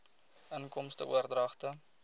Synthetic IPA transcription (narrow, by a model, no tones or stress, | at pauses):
ənkɔmstə̰ṵərdrɐχtə